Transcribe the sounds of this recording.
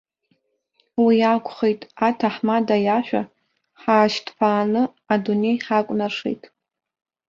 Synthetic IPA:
wiakʷʰʼχejtʼatʰaħmadajaʃʷᶣa̰ | ħaːʃtʰpʰaːnɨ | adune̞jħakʷʼnaʂḛjtʼ

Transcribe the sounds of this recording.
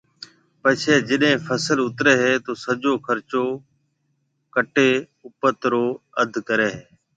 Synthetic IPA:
pət͡ʃʰeːd͡ʒɪɗɦẽːfʰəsəlʊt̪ɾeːɦeːt̪oːsəd͡ʒoːkʰəɾt͡ʃoː | kəʈeː | ʊpət̪ɾoːəd̪ʱkəɾeːɦeː

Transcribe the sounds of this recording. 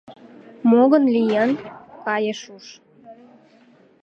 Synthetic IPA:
moɣənlijɑnkɑjeʃuʃ

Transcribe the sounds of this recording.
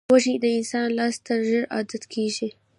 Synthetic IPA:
waʒid̪əɪnsɑːnlɑːst̪aʒəɾɑ̰d̪at̪kʰeʒi

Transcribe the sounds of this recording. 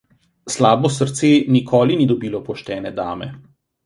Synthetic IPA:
slaːbɔsəɾt̪seːnikʰɔːlinid̪ɔbiːlɔpɔʃt̪ɛːnɛd̪a̰ːmɛ̰

